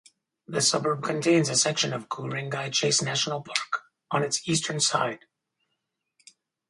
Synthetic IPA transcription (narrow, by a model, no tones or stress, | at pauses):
ðɨsʌbə˞b̚kʰɨ̃ntʰẽɪ̃nzɨsɛkʃɨ̃nʌvɡʰuɹɪ̃ŋɡaɪt͡ʃʰeɪsnæʃn̩l̩ˠpʰɑɹk | ʔə̃nɨtsistʰə̃˞nsa̰ɪd̥